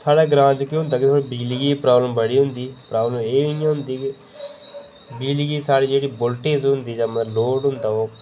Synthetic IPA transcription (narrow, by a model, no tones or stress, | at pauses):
saːɽaːɡɾãːd͡ʒkɪɦʊ̃nd̪aːkɪt̪ʰoːɽiːbiːlɡiːpɾaːbləmbəɽiːɦʊnd̪iːpɾaːbləmeːjãːɦʊnd̪iːk | biːlɡiːsaːɽiːd͡ʒeːɽiːbʊlʈeːsɦʊ̃nd̪iːd͡ʒaːməloːɖɦʊnd̪aːoː